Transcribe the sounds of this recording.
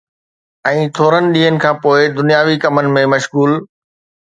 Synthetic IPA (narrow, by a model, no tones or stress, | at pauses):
ɛ̃ːt̪ʰoːɾənɪ̆ɗiːɦənɪ̆kʰãːpoːɪd̪ʊnijaːʋikɐmənɪ̆mẽmɐʃɣuːl